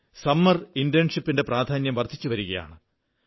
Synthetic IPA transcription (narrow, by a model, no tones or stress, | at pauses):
sɐmːɐrindijɐnʂipːinde̞praːd̪ʱaːnjɐmʋɐrt̪ʰːit͡ɕːuʋɐɾuɣɐja̰ːɳɨ